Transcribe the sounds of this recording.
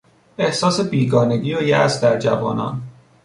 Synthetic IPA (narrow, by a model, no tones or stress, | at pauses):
e̞hsɒːse̞biːɡɒːne̞ɡiːojæ̰sd̪æɾd͡ʒævɒ̰ːnɒ̰ːn